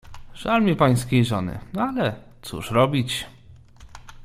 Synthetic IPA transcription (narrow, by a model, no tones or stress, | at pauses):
ʐ̥almʲipaj̃skʲejʐɔnɘ̰alɛt̪sṵʂɾɔbʲit͡ɕ